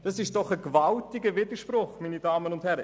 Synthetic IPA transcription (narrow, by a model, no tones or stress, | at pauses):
d̥ɑsɪʃd̥ɔχəkvɑltɪɡəvɪdəʃprʊχmiːnidɑːmənʊnd̥hɛɾə